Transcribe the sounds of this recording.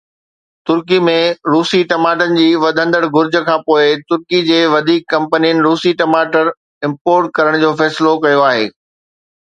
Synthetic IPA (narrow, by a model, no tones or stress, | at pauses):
t̪ʊɾkimẽɾuːsiʈɐmaːʈənɪ̆d͡ʑiːʋɐd̪ʱə̃nd̪əɽɡʊɾd͡ʑʱəkʰãːpoːɪt̪ʊɾkid͡ʑeːʋɐd̪ʱiːkːɐ̃mpənijənɪ̆ɾuːsiʈɐmaːʈəɾ | ɪ̃mpoːɾʈ̚kɐɾəɽ̃d͡ʑoːfɛːsɪlokɐjoaːɦḛː